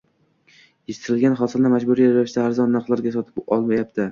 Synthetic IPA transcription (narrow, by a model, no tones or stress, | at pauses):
jeʃt̪ʰɪɾɪlɡʲanχɒsɪldnmad͡ʒbʊɾijaɾawɪʃd̪aːɾzɒnːaqlˠaɾɡʲasɒt̪ʰɪ̥pɒlˠmajap̚t̪ɪ